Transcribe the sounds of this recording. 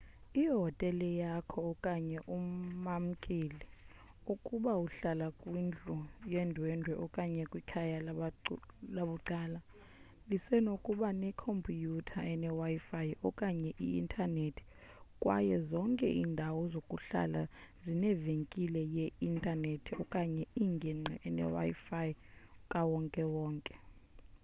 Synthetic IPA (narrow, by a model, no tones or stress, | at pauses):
iɦɔtʼɛlɛjakʰɔːkʼaɲɛʔumam̩kʼili | ukʼuɓauɬalakʼwind͡ɮʱʼujɛndʱwɛndʱwɛʔɔkʼaɲɛkʼwikʰaja | laɓuǀaːla | lisɛnokʼuɓanɛkʰompʰʼijutʰaɛnɛwaifajɔkʼaɲɛʔiḭntʰʼanetʰi̥ | kʼwa̰jɛzɔŋkʼɛ̰ʔiːndʱawɔzokʼuɬa̰lazinɛveŋkʼilɛjɛintʼanetʰiɔkʼaɲɛiŋɡʱiŋ͡ǀɛɛnɛ̰wa̰jifajkʼawɔŋkʼɛwɔːŋkʼɛ̥